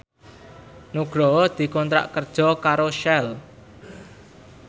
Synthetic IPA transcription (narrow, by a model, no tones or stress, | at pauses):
nuɡ̥ɾɔd̪̥i̤kɔnt̪ɾa̰ʔkərd̥ʒ̥ɔ̤kaɾoʃɛl